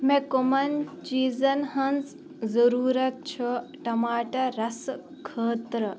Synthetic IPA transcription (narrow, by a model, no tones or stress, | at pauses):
mẽkomɐnt͡ʃiːzɐnɦɐnz | zɐɾuːɾɐt̪̚t͡ʃʰoʈɐmaːʈɐɾɐs | kʰəːt̪ɾɐ